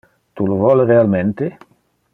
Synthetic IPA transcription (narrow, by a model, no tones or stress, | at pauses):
t̪ulovɔlrealment̪e